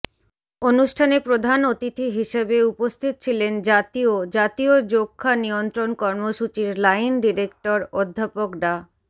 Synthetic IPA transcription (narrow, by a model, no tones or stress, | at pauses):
onuʃʈʰanepɾod̪ʱanot̪it̪ʰiɦiʃebeupost̪ʰit̪̚t͡ɕʰilend͡ʑat̪iod͡ʑat̪iod͡ʑokʰːaniont̪ɾonkɔɾmoʃut͡ɕiɾlajnɖiɾek̚ʈoɾod̪ʱːapokɖa